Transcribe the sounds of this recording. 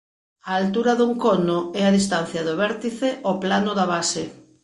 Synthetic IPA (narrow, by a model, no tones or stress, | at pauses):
aːlt̪uɾɐðuŋkɔnʊɛaðist̪an̟θjɐðʊβɛɾt̪iθeʔɔplanʊðaβase